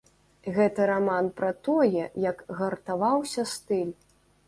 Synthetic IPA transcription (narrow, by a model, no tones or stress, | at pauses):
ɣɛt̪ɐɾamanpɾɐt̪ɔjɛjɐkɣɐrt̪avawsʲɐst̪ɨlʲ